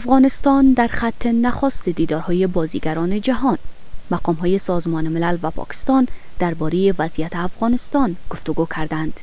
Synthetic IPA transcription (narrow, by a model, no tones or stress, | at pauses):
afɣɒnɪst̪ɒnd̪aɾxat̪ʰːenaxɔst̪ed̪id̪ɒɾhɔjebɒzḭɡaɾɒned͡ʒaɦɒn | maqɒmɦɔjesɒzmɒnemɪlalvapʰɒ̰kɪ̥st̪ɒn | d̪̥aɾbɒɾejevazijat̪eafɣɒnɪst̪ɒnɡ̥oft̪ʊɡokʰaɾd̪and̪̥